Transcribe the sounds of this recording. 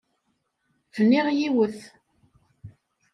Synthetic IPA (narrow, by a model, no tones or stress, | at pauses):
fənːiʁjiwəθ